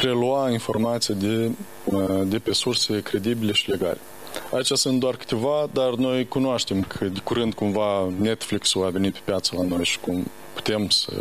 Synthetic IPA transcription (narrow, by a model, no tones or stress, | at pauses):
pɾe̞luainfo̞rmat̪sijad̪e | d̪e̞pe̞surse̞kɾe̞d̪ibile̞ʃi̥le̞ɡa̰le̞ | ait͡ʃasɨnt̪d̪oarkɨ̥t̪e̞vad̪arno̞jkunoaʃt̪e̞mkʰəd̪ekuɾɨnd̪̚kumvane̞t̪fliksuave̞nipe̞̥pjat̪səlano̞jʃi̥kum | pu̥t̪e̞msə̰